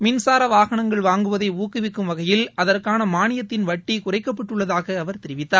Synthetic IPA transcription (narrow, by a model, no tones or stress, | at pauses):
mɪnsaːɾɐʋaːɣɐɳɐŋɡɐɭʋaːŋɡɯʋɐðɐɪuːkɪʋɪkːɯmʋɐɣɐjɪlɐðɐrkaːnɐmaːnɪjɐt̪ːɪnʋɐʈːikʊrɐɪkːɐpːɐʈːɯɭːɐðaːɣɐːʋɐɾt̪ɛɾɪʋɪt̪ːaːɾ